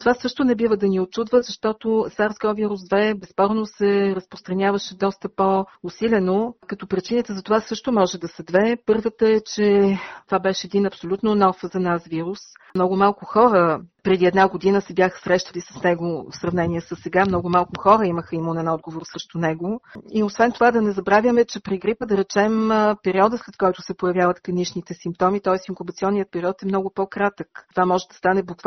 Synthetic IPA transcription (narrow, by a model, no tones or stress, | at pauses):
t̪ovasɤʃt̪ʊnɛbivəd̪ɐniot͡ʃud̪vəzɐʃt̪ɔt̪ʊsaɾzɡɔviɾusd̪vɛbɛspɔɾnosɛɾəspɾʊst̪ɾɐnʲjavəʃɛd̪ɔst̪əpoʊsilʲɛnokət̪ɔpɾit͡ʃinət̪əzɐt̪ovasɤʃt̪ʊmɔʒɛd̪ɐsɐd̪vɛpɤɾvət̪əɛt͡ʃɛt̪ovabɛʃɛɛd̪inɐpsolʲut̪nonɔfzɐnasviɾus | mnɔɡʊmalˠkʊxɔɾəpɾɛd̪iɛd̪naɡod̪inəsɛbjaxə̥sɾɛʃt̪əlisə̥snɛɡʊfsɾɐvnɛnʲiɛsəsːɛɡamnɔɡʊmalˠkʊxɔɾəiməxəimonɛnɔd̪ɡovoɾsɾəʃt̪ʊnɛɡʊiosvɛnt̪ovad̪ɐnɛzɐbɾavʲjəmɛt͡ʃɛpɾiɡɾipəd̪ɐɾɛt͡ʃɛmpɛɾiɔd̪əslɛt̪kɔjt̪ʊsɛpojɐvjavət̪kɐniʃnit̪ɛsimp̚t̪ɔmit̪ɔɛsiŋkubɐt̪siɔnːijət̪̚pɛɾiɔt̪ɛmnɔɡʊpɔkɾat̪əktovamɔʒɛd̪ɐst̪anɛblʊkv